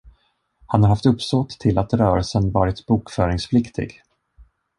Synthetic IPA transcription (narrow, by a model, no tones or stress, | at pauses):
hanhaɾhaft̪ɵpːsɔt̪ʰːɪlat̪ɾœːɾəlsənvɑːɾɪt̪buːkfœːɾɪŋspʰlɪkt̪ʰɪ̰ɡ